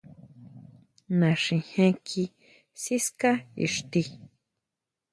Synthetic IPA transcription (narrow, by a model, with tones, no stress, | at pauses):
nã˨ʂĩ˧˨hẽ˦kʰi˧ | si˦ska˦ḭ˨ʂt̪i˧